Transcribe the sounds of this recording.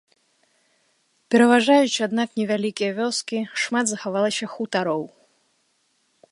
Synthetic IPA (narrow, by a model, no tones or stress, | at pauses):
pʲɛɾɐvaʐajut͡ʃad̪naknʲɛvʲalʲikʲijɐvʲɔskʲiʂmat̪zɐxavalˠɐsʲɐxut̪aɾɔw